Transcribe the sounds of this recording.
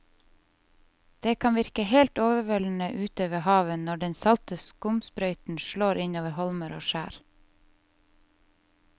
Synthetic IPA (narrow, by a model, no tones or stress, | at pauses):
d̪̥eːkʰɑnʋɪɾkəheːlt̪oːʋəʋɔln̩əʔʉːt̪øːʋəhɑːʋənɔɖɛnsɑlt̪əskʊmspɾœʏt̪n̩ʃɭoːɾʔɪɲoːʋəɾhɔlməɾo̰ːʃæ̰ːɾ